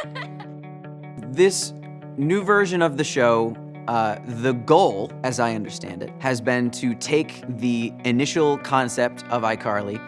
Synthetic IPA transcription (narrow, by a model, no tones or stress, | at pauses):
ðɪs | nʉvɜ˞ʒɨ̃nʌvðɨʃoʊ | ðɨɡoʊlˠɨzaɪʌ̃ndə˞stæ̰̃ndɨ̰t̚hɨzbɪ̃ntʰɨtʰeɪk | ðiɨnɪʃl̩ˠkʰɑ̃nsɛp̚tʰʌvaɪkʰɑɹlˠi